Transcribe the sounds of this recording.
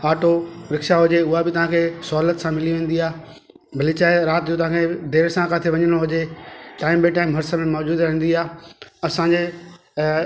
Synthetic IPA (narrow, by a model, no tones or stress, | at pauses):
aːʈoɾɪkʃaɦʊd͡ʑeʊɦabɪt̪ɐʋ̤ãkʰeːsʊɦaːlət̪sãmɪliʋẽːn̆d̪iaː | bʱɐlit͡ɕaːɪɾaːt̪jõt̪ɐʋ̤ãkʰed̪eːɾsãkaːt̪ʰeʋɐɲəɽ̃oɦʊd͡ʑeʈaːɪmbɪʈaːɪmɦɐɾsəmẽmɔːd͡ʑuːd̪ɾəɦĩːn̆d̪iaːɐsãɲd͡ʑe